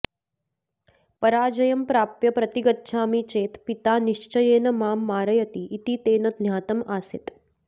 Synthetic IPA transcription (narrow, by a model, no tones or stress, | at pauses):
pɐɾaːd͡ʒɐjɐmpɾaːpjɐpɾɐt̪iɡɐtːʃʰaːmit͡ʃeːt̪pit̪aːniʂt͡ʃɐjeːnɐmaːmːaːɾɐjɐt̪iʔːt̪iːt̪eːnɐd̪njaːt̪ɐmaːsḭt̪